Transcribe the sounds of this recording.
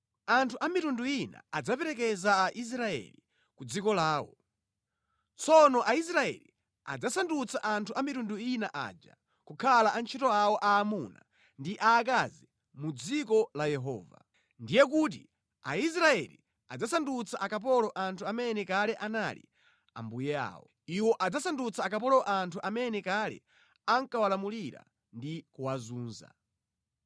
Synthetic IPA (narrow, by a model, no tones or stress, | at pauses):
antʰuʔamitunduina̰ad͡zapɛɾɛk̬ɛzaːʔis̬ɾaɛ̰li | kud͡zikɔlaːwɔ̰ | t͡sʰɔnɔʔais̬ɾaɛ̰li | a̰d͡zasandut͡saʔantʰuʔamitunduinaʔa̰ːd͡ʒa̰ | kukʰalaʔant͡ʃʰitɔawɔʔaːmuna̰ | ndiʔaːk̬azɛ | mud͡zikɔlajɛɦɔ̰ːva̰ | ndijɛk̬ut̬ḭ | a̰is̬ɾaɛ̰lḭ | ad͡zasandut͡sʰaʔakap̬ɔlɔʔantʰuamɛnɛkalɛʔanalḭ | a̰mbujɛa̰ːwɔ̰ | iwɔʔad͡zasandut͡saːkap̬ɔlɔʔantʰuʔamɛnɛkalɛ̰ | aŋkawalamuliɾa̰ | ndikuwazuːnza̰